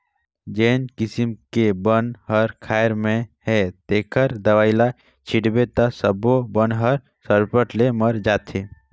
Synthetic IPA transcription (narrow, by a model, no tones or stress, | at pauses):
d͡ʒeːnkɪsimkebənɦəɾkʰaːjɾmẽhɛt̪eːkʰəɾd̪əʋaːɪla | t͡ʃʰiʈbet̪asəbobənɦəɾ | səɾpəʈleməɾd͡ʒaːt̪ʰe